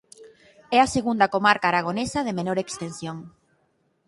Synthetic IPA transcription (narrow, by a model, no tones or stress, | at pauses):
ɛaseɣund̪ɐkomaɾkaːɾaɣ̞onesaðemenoɾekst̪enθjoŋ